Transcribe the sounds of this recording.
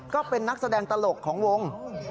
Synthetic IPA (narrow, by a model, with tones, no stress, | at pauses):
kɔː˥˩pe˧nːa˦˥k̚sa˧dɛː˧ŋt̪a˧lo˨˩kʰːɔː˩˦ŋwo˧ŋ